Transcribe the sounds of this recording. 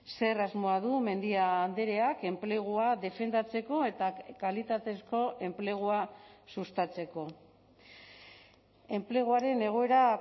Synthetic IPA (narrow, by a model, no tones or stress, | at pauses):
se̞razmo̞aðume̞nd̪iand̪eɾe̞ake̞mple̞ɣ̞uaðe̞fe̞nd̪at͡se̞ko̞e̞t̪akalit̪at̪e̞sko̞ʔe̞mple̞ɣ̞uasust̪at͡se̞ko̞ | e̞mple̞ɣ̞uaɾe̞ne̞ɣ̞o̞e̞ɾa